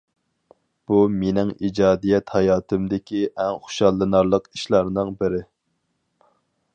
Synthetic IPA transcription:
b̥umenɪŋid͡ʒɑːd̪ijɛt̪hɑjɑːt̪ʰɨmd̪ɪkʲiʔɛŋχʊ̥ʃɑlˠːɨnɑɾlˠəqiʃlˠɑɾnɨŋbɪɾɪ

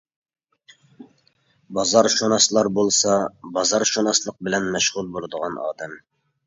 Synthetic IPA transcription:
bɑzɑɾʃonɑslˠɑɾbolˠsɑbɑzɑɾʃonɑslˠəq̚bɪlɛnmɛʃʁʊlˠbolˠɨd̪əʁɑnɑ̰ːd̪ɛm

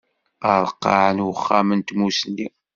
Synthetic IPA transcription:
əɾˤəqːɑ̰ʕənwəχːæmənt̪musnːi

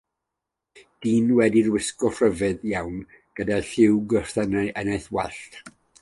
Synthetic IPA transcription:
d̥iːnwɛdirwɪskɔfrəvɨðjawn | ɡ̥ədaɬɪwɡərθənaʔənajθwɛɬt

